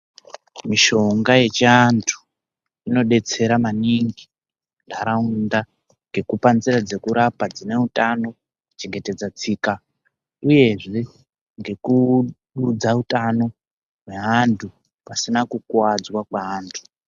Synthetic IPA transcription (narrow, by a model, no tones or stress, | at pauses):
miʃo̞ŋɡaje̞t͡ʃantʰu̥ | ino̞ɗe̞t͡se̞ɾamaniŋɡi | ndʱaɾaunda | ŋɡe̞kupanziɾad͡ze̞kuɾapad͡zine̞utano̞ | t͡ʃe̞ŋɡe̞te̞d͡zat͡siːka | uje̞ʐe̞ | ŋɡe̞kuɗud͡zautano̞ | ɦwe̞ɦantʰu | pasinakukwad͡zwakwaaːntʰu̥